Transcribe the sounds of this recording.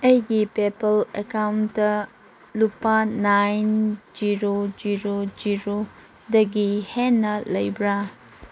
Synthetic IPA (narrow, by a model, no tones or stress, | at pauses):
ɐjɡipepɐlekawndɐ | lupanajnd͡ʒiɾod͡ʒiɾod͡ʒiɾo | dɐɡihenːɐlɐjbɾa